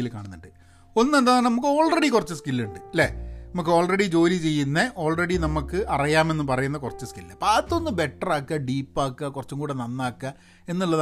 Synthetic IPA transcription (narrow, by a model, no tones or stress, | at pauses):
ilkaːɳunːuɳɖɨ | o̞nːend̪aːnɐmukːɨo̞ːɭreɽikurɐt͡ɕːuskilːuɳɖɨɐlːḛnɐmukːɨo̞ːɭreɽid͡ʑo̞ːlit͡ɕe̞jːunːɐʔo̞ːɭreɽinɐmukːɨʔɐrɐjaːme̞nːɨpɐrɐjunːɐkurɐt͡ɕːuskillːepaːt̪ːonːɨbe̞ʈːɐraːkːɐɖiːpːaːkːɐkurɐt͡ɕːumkuːɽenɐnːaːkːɐ | e̞nːuɭːɐð